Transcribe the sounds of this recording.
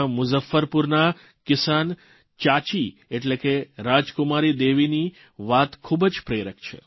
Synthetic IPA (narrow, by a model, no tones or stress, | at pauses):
mʊzəfːəɾpuɾna | kɪsan | t͡ʃat͡ʃieʈlekeɾad͡ʒkʊmaɾid̪eʋini | ʋat̪kʰubəd͡ʒpɾeɾəkt͡ʃʰḛ